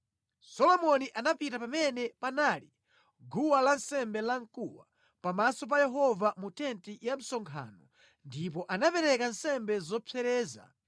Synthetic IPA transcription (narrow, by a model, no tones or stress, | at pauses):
sɔlɔmɔniʔanapitapamɛnɛpanali | ɡuwalansɛmbɛlaŋ̩kuwa̰ | pamasɔp̬ajɛɦɔvamutɛntijam̩sɔŋkʰa̰nɔ | ndipɔʔanapɛɾɛkansɛmbɛzɔpʰɛɾɛːza̰